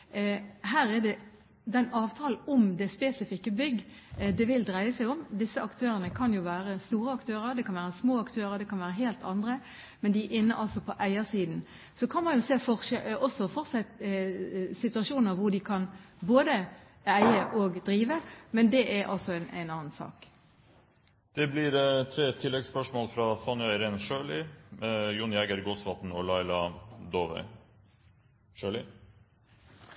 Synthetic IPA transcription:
ɦæːɾɛd̪ɛ | d̪ɛnɑːʋt̪ʰɑːl̩ɔmd̪ɛspeːsɪfɪkːəbʏɡː | d̪ɛʋɪld̪ɾæɪəsæɪɔmd̪ɪsːəɑkt̪ʰøːɾənəkʰɑnjʊʋæːɾəst̪uːɾəɑkt̪ʰøːɾəɾd̪ɛkʰɑnʋæːɾəsmoːɑkt̪ʰøːɾəɾd̪ɛkʰɑnʋæːɾəɦeːlt̪ʰɑnd̪ɾə | mɛnd̪ɪʔɪnːəʔɑlsɔpʰɔʔæɪəsiːd̪n̩ | sɔkʰɑnmɑnjʊseːfɔʔɔsɔfɔɾsɛ | sɪt̪ʉɑʃuːnəʁʋʊɖɪkʰɑnboːd̪ə | æɪəʔoːɡd̪ɾiːʋəmɛnd̪ɛʔæɾʔɑ̰lsɔænʔæ̰ɪnɑːnsɑ̰ːk | d̪̥ɛblɪɾt̪ʰɾeːt̪ʰɪlːɛɡspœʂmoːlfɾɑsɑnœɪɾenʃøːlɪmɛjʊnjɛɡəɾɡoːsʋɑt̪n̩ɔlɑɪlɑd̪oːʋ̰ | ʃøːɭɪ

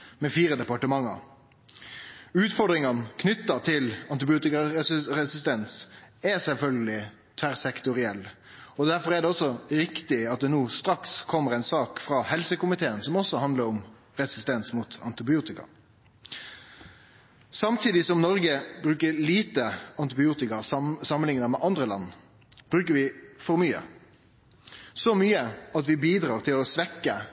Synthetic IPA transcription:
mɛfiːɾəd̪ɛpɑʈəmɑŋːɑ̰ɾ | ʉːt̪fɔɾɖ̪ɾɪŋɑnkʰnʏt̪ːɑt̪ʰɪlɑnt̪ɪbɪuːt̪ɪkɑɛʁɛsɪst̪ɛnsɛsɛlfœlɡəlɪ | t̪ʰʋæɾsɛkt̪ʊɾɪɛlː | ɔd̪æɾfɔʁæɖɛɔsːɔɾɪkt̪ɪɑt̪̚d̪ɛnuːst̪ɾɑkskʰɔmːəʁæɪnsɑːkfɾɑːhɛlsəkʊmɪt̪ʰeːənsɔmɔsːɔhɑnd̪ləɾɔm | ʁɛsɪst̪ɛnsmuːt̪ɑ̰nt̪ɪbɪuːt̪ɪkɑ̰ | sɑmt̪ʰiːd̪ɪsɔmnɔɾɡəbɾʉːkəɾliːt̪əɑnt̪ɪbɪuːt̪ɪkɑssɑmːənɪŋnəmɛʔɑnd̪ɾəlɑ̰nː | b̥ɾʉːkəɾʋɪfɔɾmyːə̰ | sɔmyːəɑt̪ʋɪbiːd̪ɾɑːɾt̪ʰɪlɔsʋɛkːə

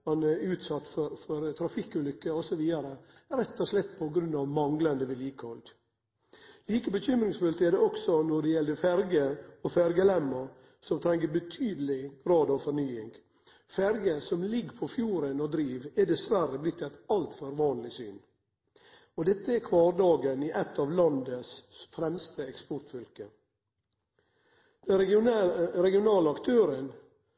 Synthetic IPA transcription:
ɑnɛʉːt̪sɑt̪ːfɔɾfɔɾt̪ʰɾɑfɪkʉlʏkːəɔsɔʋiːd̪ɑɾə | ɾɛt̪ːɔslɛt̪ːpʰɔɡɾʉnːɑʋmɑŋlɑnd̪əʋɪljiːkhɔld̪ | liːkəbəçʏmɾɪŋsfʉlt̪ɛɖɛɔksɔnɔɖɛjɛld̪əfæɾɡəɔfæɾɡəlɛmːɑ | sɔmt̪ʰɾɛŋːəbət̪ʰyːd̪əlɪɾɑːd̪ɑʋfɔɾnyːɪŋ | fæɾɡəsɔmlɪɡːpʰɔfjuːɾənɔd̪ɾiːʋɛɖɛsʋæɾəblɪt̪ʰːɛt̪ɑlt̪føɾʋɑːnlɪsy̰ːn | ɔd̪ɛt̪ːəɛkʰʋɑːɾɖɑːɡənɪʔɛt̪ːɑʋlɑnd̪əsfɾɛmst̪əɛkspɔʈfʏlkə | d̪̥ɛn | ɾɛɡɪʊnɑːləɑkt̪ʰøːɾən

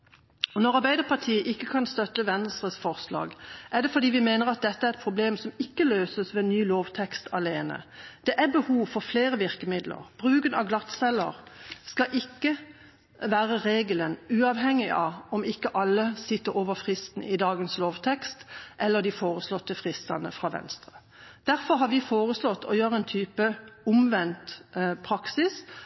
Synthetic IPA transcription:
ɔnɔʁɑɾbæɪd̪əpʰɑʁt̪ʰiːəʔɪkːəkʰɑnst̪œt̪ːəʋɛnst̪ʁəsfɔʁslɑ̰ːɡʔæɖ̪ɛfɔd̪iːʋɪmeːnəʁɑt̪̚d̪ɛt̪ːəæʁɛt̪̚pʰʁʊbleːmsɔmɪkːəløːsəsʋɛnyːloːʋt̪ʰɛkst̪ʰɑleːnə̰d̪̥ɛʔæbəhuːʋfɔʁfleːʁəʋɪʁkəmɪd̪lʔə̰ʁb̥ʁʉːɡənɑ̰ʋɡlɑt̪sɛlːə̰ʁskɑʔɪkːə | ʋæːʁəʁeːɡələnʉːɑʋɦɛŋːɪʔɑɔmɪkːəʔɑlːəsɪt̪ːəɾoːʋəʁfʁɪst̪nə̰ɪd̪ɑːɡənsloːʋt̪ʰɛkst̪ʔɛlːəd̪ɪfoːʁəslɔt̪ːəfʁɪst̪ɑnəfɾɑːʋɛ̰nst̪ʁə | d̪̥æɾfɔɾɦɑːɾʋɪfoːʁəslɔt̪ːʰɔ̰jøːʁəɛnt̪ʰyːpəʊmʋɛnt̪pʰɾɑksɪs

